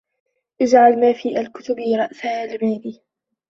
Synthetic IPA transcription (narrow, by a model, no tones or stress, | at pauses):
ʔɪd͡ʒʕalmaːfiːʔalkʊt̪ʊbiɾˤɑʔsahaːlɪmaːliː